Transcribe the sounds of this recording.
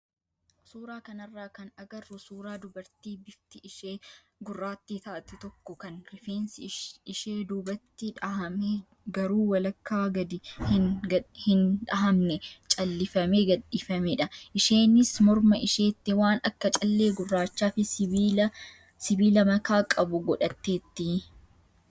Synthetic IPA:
suːɾaːkɐnɐrːaːkɐnɐɡɐrːʊsuːɾaːd̪ʊbɐɾt̪iːbɪft̪ɪɪʃeː | ɡʊrːaːt̪ːit̪ɐʔɐt̪ːɪt̪ɔkːɔkɐnɾɪfeːnsɪɪʃe̞ːd̪uːbɐt̪ːɪᶑɐhɐmeː | ɡɐɾuːwɐlɐkːaːɡɐd̪ɪhhɪnᶑɐɦɐmnɛt͡ʃʼɐlːɪfɐme̞ːɡɐᶑiːfɐmɛᶑɐʔɪʃe̞ːnɪsmɔɾmɐɪʃeːt̪ːɪwaːnɐkːɐt͡ʃʼɐlːe̞ːɡʊrːaːt͡ʃːaːfɪːɐ | sɪbiːlɐmɐkaːkʼɐbʊɡɔᶑɐt̪ːe̞ːt̪ːɪ

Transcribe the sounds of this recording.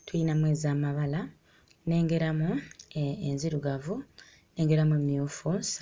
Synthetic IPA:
tujinamwe̞ːzaːmaβala | ne̞ːŋɡe̞ɾamu | enziɾuɡavu | ne̞ːŋɡe̞ɾamuemiofos

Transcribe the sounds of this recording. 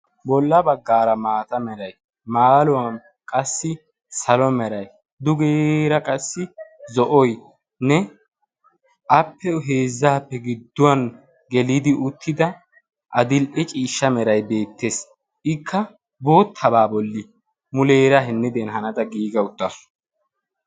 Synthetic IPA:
bɔlːɐbɐɡːaːɾɐmaːt̪ɐmɛɾɐj | maːlʊwɐn | kʼɐsːɪ | sɐlɔmɛɾɐj | d̪ʊɡeːɾɐkʼɐsːɪzɔʔɔj | nɛ | ʔɐpːɛɦe̞ːzːaːpːɛɡɪd̪ːʊwɐn | ɡɛlid̪ɪʔʊt̪ːɪd̪ɐ | ʔɐd̪ɪlʔɛt͡ʃʼiːʃːɐmɛɾɐjbe̞ːt̪ːeːs | ʔɪkʰːɐ | bo̞ːt̪ʰːɐbaːbɔlːi | mʊleːɾɐɦɛnːɪd̪enɦɐnɐd̪ɐɡiːɡɐʊt̪ːɐ

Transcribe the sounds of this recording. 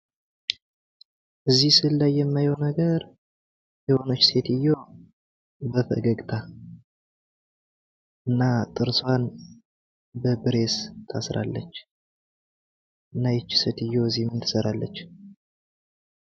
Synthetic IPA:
ʔɨzːihsɨlːajːɛmːajownəɡəɾ | jɛho̞nət͡ʃːse̞t̪ɨjːo̞ | bəfə̰ɡəɡʼt̪ʰa | ʔɨnːat̪ʼɨɾswan | bəbɨɾe̞st̪ʰa̰sɾa̰lːə̰t͡ʃː | ʔɨnːajɛt͡ʃːset̪ɨjːo̞ɨzimɨnt̪ʰɨ̥səɾalːə̰t͡ʃː

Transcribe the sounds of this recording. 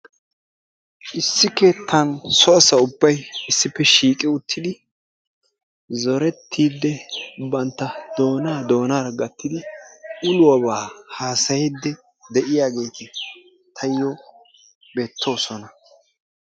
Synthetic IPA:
ʔɪsːɪke̞ːt̪ːɐnsɔɐsɐʊbːɐjɪsːɪpːɛʃiːkʼɪʊt̪ːɪd̪ɪ | zɔɾɛt̪ʰːiːd̪ːɛbɐnt̪ːɐd̪̥o̞ːnaːd̪o̞ːnaːɾɐɡɐt̪ːɪd̪ɪʔʊlʊwɐβaːhaːsɐjɪd̪ːɛ | d̪ɛʔɪjaːɡe̞ːt̪ɪ | t̪ʰɐjːɔ | be̞ːt̪ʰːo̞ːsɔnɐ

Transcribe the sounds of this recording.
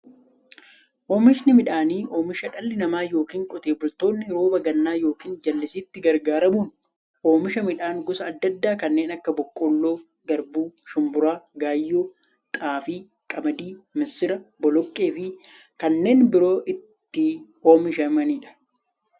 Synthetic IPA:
ʔoːmɪʃnɪmɪᶑaːniːʔo̞ːmɪʃɐᶑɐlːɪnɐmaːjo̞ːkiːŋkʼɔt̪eːbʊlt̪o̞ːnːɪɾo̞ːbɐɡɐnːaːjo̞ːkiːnd͡ʒɐlːɪsiːt̪ːɪɡɐɾɡaːɾɐmuːn | ʔo̞ːmɪʃɐmɪᶑaːŋɡʊsɐːd̪ːɐd̪ːaːkɐnːe̞ːnɐkːɐbɔkʼːoːlːo̞ː | ɡɐɾbuːʃʊmbʊɾaːɡaːjːoː | t̪ʼaːfiː | kʼɐmɐd̪iːmɪsːɪɾɐbɔlɔkʼːe̞ːfɪ | kɐnːe̞ːnbɪɾo̞ːʔɪt̪ːɪ | oːmɪʃɐmɐniːᶑɐ̥

